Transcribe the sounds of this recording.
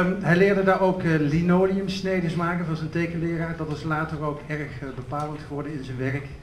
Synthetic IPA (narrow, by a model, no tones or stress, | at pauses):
ɦɛjlɪːɹdədaːɹowklinowniəmsnejdəsmaːkənvɑnzəntejɣənlɪːraːɹdɑtɪslaːtərowkɛɹχbəpaːlˠəntχəʋɔɹdəɪnzənʋɛrək